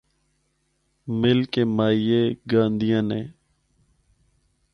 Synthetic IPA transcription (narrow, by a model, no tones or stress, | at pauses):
mɪlkeːmaːijeːɡãːnd̪ɪjãːneː